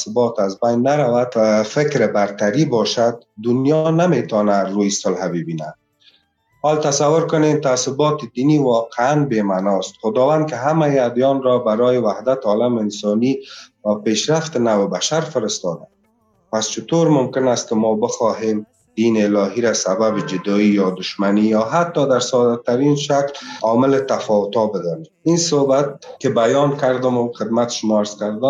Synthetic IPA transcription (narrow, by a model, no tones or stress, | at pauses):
sɪbɔt̪azbajnːaɾawad̪afɪkɾɪbaɾt̪aɾibɔʃad̪̚ːʊnjɔnamet̪ɔnaɾujsʊlhabɪbina̰ | hɔlt̪asawːʊɾkʊnemt̪asɪbɔt̪ɪd̪iniwɒqɪanbemanɔst̪χʊd̪ɔwand̪̚kɪɦamajad̪jɔnɾɔbaɾɔjɪwahd̪at̪ɔlamɪɪnsɔniwapeʃɾaft̪ɪnawɪbaʃaɾfɪɾɪst̪ɔd̪a̰m | past͡ʃɪt̪oɾmʊmkɪnast̪̚kɪmɔbɪxɔɦem | d̪inɪːlɔɦiɾasababɪd͡ʒɪd̪ɔijɒd̪ʊʃmanijɔɦat̪ːɔd̪aɾsɔd̪at̪ːaɾinʃaklɔmɪlɪt̪afɔwʊt̪ɔbɪd̪ɔneminsohbat̪̚kɪbajɔnkaɾd̪ʊmxɪd̪mat̪ɪ̥ʃʊmɔaɾz̥kaɾd̪ʊ